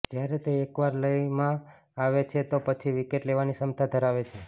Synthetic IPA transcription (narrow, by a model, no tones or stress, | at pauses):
d͡ʒjaɾet̪eekʋaɾləjmã | aʋet͡ʃʰet̪opət͡ʃʰiʋikeʈleʋanisəmt̪ʰad̪ʱəɾaʋet͡ʃʰe